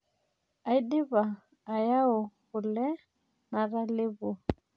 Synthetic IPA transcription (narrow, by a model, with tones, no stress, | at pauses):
a˨i˦dɪ˦βaː˨ | ja˦ɔ˨kʊ˨lɛ˦ | na˨ɾa˦lɪ˦βʊ˨